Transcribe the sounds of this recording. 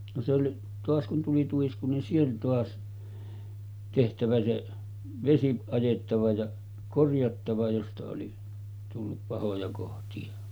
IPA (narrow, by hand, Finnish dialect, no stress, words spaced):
no se oli toɑs kun tuli tuisku ni se oli toɑs tehtæʋæ se ʋesi ɑjetːɑʋɑ jɑ korjɑtːɑʋɑ jostɑ oli tulːup pɑhojɑ kohtiɑ